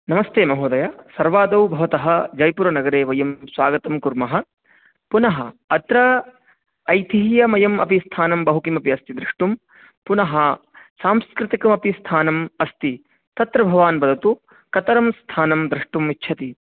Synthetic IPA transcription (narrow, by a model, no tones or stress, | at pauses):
nɐmɐst̪eːmɐɦoːd̪ɐjasɐɾʋaːd̪ɐwbʱɐʋɐt̪ɐɦɐ̆d͡ʒɐjpuɾɐnɐɡɐɾeːʋɐjɐmsʋaːɡɐt̪ɐmkuɾmɐɦɐ | punɐɦɐɐt̪ɾɐː | jt̪iɦjɐmɐjɐmʔɐ̰pist̪ʰaːnɐmbɐɦukimɐpiɐst̪id̪ɾiʂʈum | punɐɦɐsaːmskɾɪt̪ikɐmɐpist̪ʰaːnɐmɐst̪i | t̪ɐt̪ɾɐbʱɐʋaːnbɐd̪ʱɐt̪u | kɐt̪ɐɾɐmst̪ʰaːnɐmd̪ɾɪʂʈumitːt͡ʃʰɐt̪i